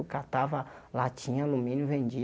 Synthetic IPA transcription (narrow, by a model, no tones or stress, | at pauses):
ukat̪avɐlat͡ʃĩɲalumĩnuvẽd͡ʒi